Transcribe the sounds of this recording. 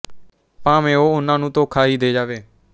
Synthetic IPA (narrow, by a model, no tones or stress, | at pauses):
pãːmẽːoːʊnãːnũːt̪oːkʰaːɦiːd̪eːd͡ʒaːʋeː